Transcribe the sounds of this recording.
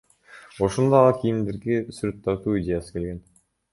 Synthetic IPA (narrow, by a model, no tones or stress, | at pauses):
oʃond̪oɑkʲʰijind̪iɾɡesyɾʲøt̪ːɑt̪uːidʲe̞jasɯ̥ke̞lɡe̞n